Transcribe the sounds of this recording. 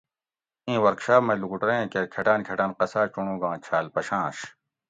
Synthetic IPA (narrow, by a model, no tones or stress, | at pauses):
ĩːwɐɾkɕaːpmɐluɡuʈɾeẽkeɾkʰeʈaːnkʰeʈaːnqɐsaːt͡ɕuɳũːɡãːt͡ɕʰaːlpɐɕãːɕ